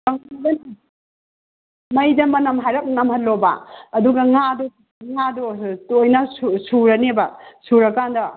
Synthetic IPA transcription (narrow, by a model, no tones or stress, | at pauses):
kɐŋadɐn | mɐjdɐmɐnɐmɦajɾɐk̚nɐmhɐtlobɐ̰ːduɡɐŋadɔ | ŋadɔtojnɐsusuɾɐnebɐsuɾɐkːandɐ